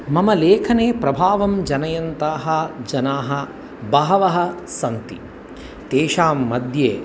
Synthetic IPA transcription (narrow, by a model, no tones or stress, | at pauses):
mɐmɐleːkʰɐneːpɾɐbʱaːʋɐmd͡ʒɐnɐjɐnt̪aːɦɐd͡ʒɐnaːɦɐ̆ | bɐɦɐʋɐɦɐ̆sɐnt̪i | t̪eːʃaːmːɐd̪ʱjeː